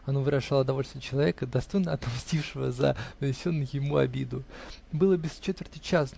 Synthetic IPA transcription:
ɐnovɨɾɐʐalˠəd̪ɐvo̞lʲst̪vʲjɪət͡ɕɪlˠɐvʲe̞kəd̪ɐst̪o̞jnəɐt̪ɐmsʲtʲifʂɨvə̰zɐ̰nənʲɪsʲo̞nːʊjjɪmuɐ̰bʲid̪ʊbɨlˠəbʲɪst͡ɕet̪vʲɪrt̪ɨjt͡ɕas

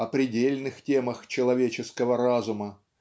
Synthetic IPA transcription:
ɐpɾʲɪdʲelʲnɨxtʲeməxt͡ɕɪlˠɐvʲet͡ɕɪskəvəɾazʊmə

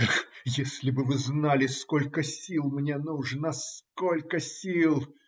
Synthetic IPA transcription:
jesʲlʲɪbɨvɨznalʲɪskolʲkəsʲilˠmnʲenuʐnaskolʲkəsʲilˠ

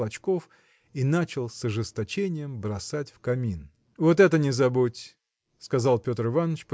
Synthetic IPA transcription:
ɐt͡ɕko̞f | inat͡ɕɪlˠsɐʐɨst̪ɐt͡ɕenʲɪjəmbɾɐsatʲfkɐmʲin | vot̪ɛt̪ənʲɪzɐbutʲ | skɐzalˠpʲo̞t̪ɾɨvanət͡ɕp

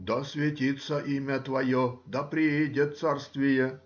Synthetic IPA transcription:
d̪ɐsʲvʲɪtʲit̪sːəʔimʲɐt̪vɐjod̪ɐpɾʲɪedʲet̪sarst̪vʲɪjɛ

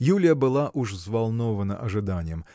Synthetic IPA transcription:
julʲɪjəbɨlˠaʔuʂzvalˠnovənə̰ʔɐʐɨd̪anʲɪjəm

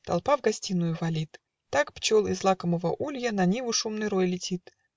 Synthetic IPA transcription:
t̪ɐ̰lˠpavɡɐsʲtʲinːʊjʊvɐlʲit̪ː | akpt͡ɕolˠɪzlˠakəməvə̰ʔulʲjənɐnʲivʊʂumnɨjɾojlʲɪtʲit̪

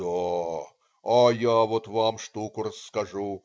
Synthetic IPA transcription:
a | ɐjavot̪vamʂt̪ukʊɾəskɐʐu

